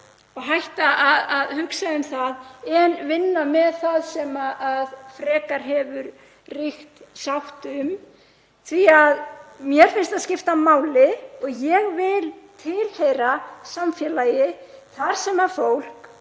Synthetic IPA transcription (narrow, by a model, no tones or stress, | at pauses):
ɔɣɦajht̪aʔaðaðhʏksaʏmθaðɛnvɪnːamɛðθaðsɛmaʔaðfɾɛːkaɾ̥ɦɛvʏɾ | rixt̪sawht̪ʏm | θviaðmjɛɾ̥fɪnst̪aðscɪft̪amaːwlɪɔɣjɛɣvɪlt̪ʰɪlheːjɾasamfjɛlajɪθaɾ̥sɛmaɾfowl̥k